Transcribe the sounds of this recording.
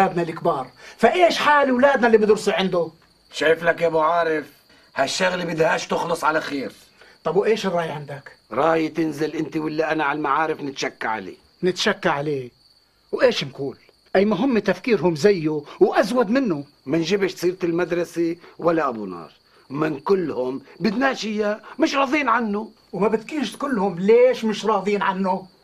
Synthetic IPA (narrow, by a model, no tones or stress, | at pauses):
aːd̪nalɪkbɑːɾˤfaʔeːʃħaːliwlaːd̪nalːibɪd̪ɾʊsiʕɪnd̪ʊ | ʃaːflakʔabuʕɑːɾɪf | haʃːaɣlibɪd̪haːʃt̪ʊxlɑsˤʕalaxiːɾ | t̪ˤɑbwʔeːʃɪrˤːɑːjʕɪnd̪akɾˤɑːjt̪ɪnzɪlʔɪnt̪iwɪlːaʔanaʕalmaʕaːɾɪfnɪt̪ʃakːaʕa̰lḛː | nɪt̪ʃakːaʕaleː | wʔeːʃɪnkuːl | ʔajːmʊɦɪmːet̪afkiːɾɦʊmzajːuwʔazwad̪mɪnːʊ | mɪnʒɪbɪʃt̪sˤiːɾt̪ɪlmad̪ɾˤɑsewalːaʔabunɑ̰ːɾˤ | mɪnkʊlːhʊmbɪt̪naːʃɪjamɪʃɾˤɑːðˤiːnʕanːʊ | wmabɪt̪kiːʃt̪kʊlːhʊmleːʃmɪʃɾˤɑːðˤiːnʕanːʊ